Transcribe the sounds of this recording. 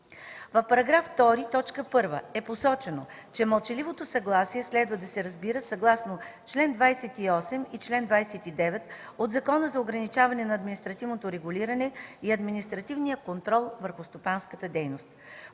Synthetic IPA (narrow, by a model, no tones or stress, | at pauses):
vɐfpɐɾɐɡɾaft̪ɔɾit̪ɔt͡ʃkəpɤɾvəɛposɔt͡ʃɛno | t͡ʃɛmɐlˠt͡ʃɛlivot̪osɐɡlˠasiɛslɛd̪vəd̪ɐsɛɾɐzbiɾəsɐɡlˠasnot͡ʃlɛnd̪vajsɛt̪iɔsɛmit͡ʃlɛnd̪vajsɛt̪id̪ɛvɛt̪ | od̪zɐkɔnəzɐoɡɾɐnit͡ʃavɐnɛnɐːd̪minist̪ɾɐt̪ivnot̪oɾɛɡʊliɾɐnɛiɐd̪minist̪ɾɐt̪ivnijəkont̪ɾɔlˠvəɾxʊst̪opanskət̪əd̪ɛjnost̪̚